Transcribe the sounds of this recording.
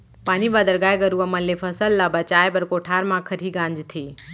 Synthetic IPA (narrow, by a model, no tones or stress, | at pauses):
paːnibad̪əɾɡaːjɡəɾuaməlːepʰəsəlːabət͡ʃaːjbɐɾkoʈʰaːɾmãkʰəɾiːɡãːɲd͡ʒt̪ʰeː